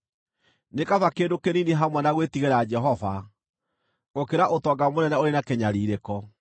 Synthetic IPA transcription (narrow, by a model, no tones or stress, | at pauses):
nekavakeːdokenineɦamwɛnaɣwetiɣeɾad͡ʒɛɦɔva | ɣokeɾaʔotɔːɡamonɛnɛoɾenakɛɲaɾiːɾekɔ